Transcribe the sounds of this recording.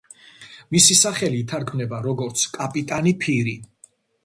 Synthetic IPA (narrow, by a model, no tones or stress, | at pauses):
misisaχɛliːt̪ʰaɾɡʰmnɛbaɾɔɡɔɾt̪sʰkʼapʼit̪ʼanipʰiɾi